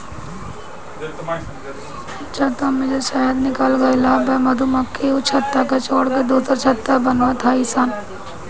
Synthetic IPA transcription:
t͡ʃat̪amɪd͡ʒʱeʃaːɦəd̪nɪkaːlɡaɪlaːbɐmɐd̪ʱumɐkːeut͡ʃʰɐt̪ːakat͡ʃoːɽked̪oːsəɾt͡ʃʰɐt̪ːabɐnʋat̪ʰaisaːn

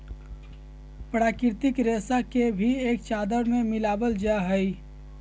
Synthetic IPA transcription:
pɾaːkɪɾt̪ɪkɾeːsakebʱieːk̚t͡ʃaːd̪əɾmẽmɪlaːbəld͡ʒaɦɛi

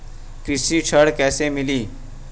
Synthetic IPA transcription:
kɾɪsiʈʰəɽkɛːsemɪliː

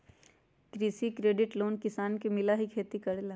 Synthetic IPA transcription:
kɾiːsikɾeːɖɪʈloːnkɪsaːnkemɪlaɦikʰeːt̪ikɐɽeːla

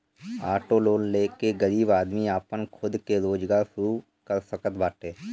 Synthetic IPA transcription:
aːʈoloːnleːkeɡəɾiːbaːd̪miaːpənkʰʊd̪keɾoːd͡ʒɡaːɾʃʊɾu | kəɾsəkət̪baːʈeː

